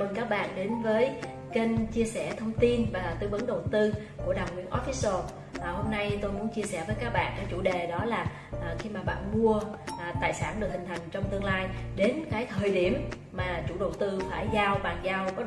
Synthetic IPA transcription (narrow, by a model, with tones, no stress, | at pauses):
ə˨˩nkaː˦˥k̚ɓa̰ː˧˨nɗe˨˦nvəː˨˦j | ke˧nt͡ɕi˧əsɛ˧˩t̪ʰə˧wŋ͡mt̪i˧nvaː˨˩t̪ɨ˧və˨˦nɗə˨˩wt̪ɨ˧ | ku˧˩əɗa˨˩wwḭ˧ənʔɔ˨˦˥fi˦˥so˧ | ʔho˧mna˧jt̪o˧jmu˨˦ənt͡ɕi˧əsɛ˧˩vəː˨˦jkaː˦˥k̚ɓa̰ː˧˨nkaː˨˦˥k̚t͡ɕṵ˧˩ɗe˨˩ɗɔ˨˦laː˨˩ | ʔːxi˧maː˨˩ɓa̰ː˧˨nmu˧əʔt̪aː˧˨jsaː˧˩nɗɨ˨˩ək̚hï˨˩ŋ̟t̪ʰa˨˩jŋ̟t͡ɕɔ˧wŋ͡mt̪ɨ˧əŋlaː˧jɗe˨˦nkaː˨˦jt̪ʰəː˨˩jɗi˧˩əmː | aː˨˩t͡ɕṵ˧˩ɗə˨˩wt̪ɨ˧faː˧˩jzaː˧wɓaː˨˩ŋzaː˧wkɔ˨˦˥